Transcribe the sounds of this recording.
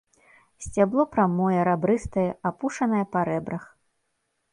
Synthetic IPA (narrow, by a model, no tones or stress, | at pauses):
sʲt͡sʲablˠɔpɾamɔjɛɾabɾɨst̪ɐjɛapuʂɐnɐjɛpɐɾɛbɾɐx